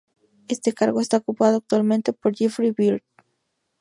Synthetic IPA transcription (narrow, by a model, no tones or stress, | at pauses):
e̞st̪e̞kaɾɣoest̪aokupaðoak̚t̪walmẽnt̪e̞poɾd͡ʒifɾiβild̪